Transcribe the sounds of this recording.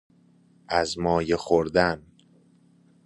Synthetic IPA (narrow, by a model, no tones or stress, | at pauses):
ʔæzmɒːjexoɾd̪æn